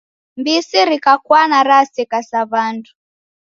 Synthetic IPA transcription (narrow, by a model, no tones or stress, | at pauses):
mbisiɾikakwanaɾasikasaβandu